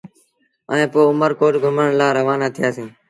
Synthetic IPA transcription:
ə̰ẽːpoːʊməɾkoːʈɡʱʊməɳlaːɾəʋaːnaːt̪ʰɪjaːsĩː

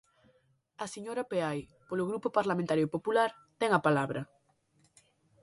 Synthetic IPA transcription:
aseɲoɾapeajpoloɣɾupopaɾlamẽnt̪aɾjoipopulaɾ | t̪ɛŋapalaβɾʔɐ

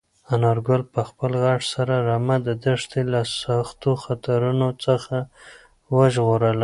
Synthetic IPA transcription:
anaɾɡʊlpəxpəlɣaʈsaɾaɾamad̪əd̪əʂt̪elasaxt̪oxat̪aɾunot͡səxa | wəʒɣoɾəl

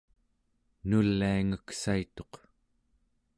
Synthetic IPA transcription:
nulːiaŋəksait̪o̞q

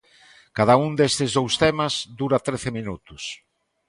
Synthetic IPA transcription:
kaðaund̪est̪ɪzðowst̪emɐzd̪uɾat̪ɾeθɪminut̪ʊs

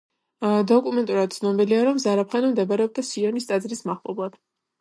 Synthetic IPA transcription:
d̪ɔkʼumɛnt̪ʼuɾad̪̥̚t̪sʰnɔbiliaɾɔmzaɾapχɛnɔmd̪ɛbaɾɛɔb̚d̪asiɛnist̪ʼad̪zɾismaχlˠɔ̰blˠad̪̥

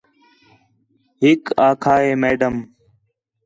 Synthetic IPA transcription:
ɦɪkaːkʰaːeːmeːɖəm

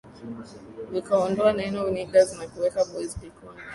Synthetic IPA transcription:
vikaɔndɔanaɛnɔviniɡazinakuwɛkaɓɔizpika

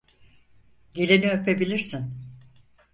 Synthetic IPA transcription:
ɟe̞lʲiniøpʰe̞bilʲiɾsin

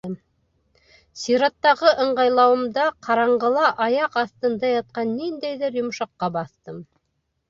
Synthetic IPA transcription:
m | siɾɑt̪ːɑʁɤʔɤ̆ɴʁɑjlˠɑwɤ̆md̪ɑqʰɑɾɑɴɢɤ̆lˠɑʔɑjɑqɑθt̪ɤ̆nd̪ɑjɑt̪̚qɑnːind̪æjðɘɾjŏmʃɑqːɑbɑθt̪ɤm

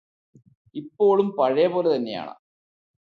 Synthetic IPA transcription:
ipːo̞ːɭumpɐɻɐjɐpoːlet̪ɐnːe̞ja̰ːɳɐ̰

